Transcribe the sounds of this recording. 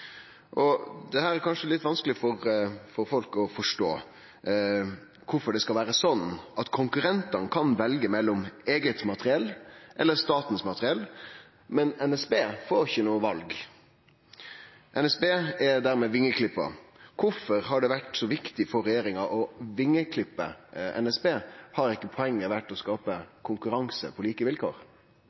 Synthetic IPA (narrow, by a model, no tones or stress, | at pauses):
ʔɔd̪ɛhæːɾæɾkʰɑnʂəlɪt̪ːʋɑnskəlɪfɔɾfɔɾfɔlkɔfɔʂʈo̰ː | kʰʊfɔɖɛskɑlʋæːɾəsɔnʔɑt̪kʰʊŋkʉɾɛnt̪ɑnkʰɑnʋɛlɡəmɛlːɔmeːɡət̪mɑt̪əɾɪɛlːʔɛlːəɾst̪ɑːt̪n̩smɑt̪əɾɪɛlː | mɛnɛnɛsbeːfoːɾɪçənuːəʋɑlɡ | ʔɛnɛsbeːɛd̪æːɾmɛʋɪŋːəkʰlɪpːɑ̰kʰʊfɔɾhɑɖɛʋæʈsɔʋɪkt̪ɪfɔɾːɛjeːɾɪŋɑʔɔʋɪŋːəkʰlɪpːə̰ʔɛ̰nɛsbeːhɑɾɪkːəpʰɔɛŋːəɾʋæʈːɔskɑːpəkʰʊŋkʉɾɑŋsə̰pʰɔliːkəʋɪlkʰo̰ːɾ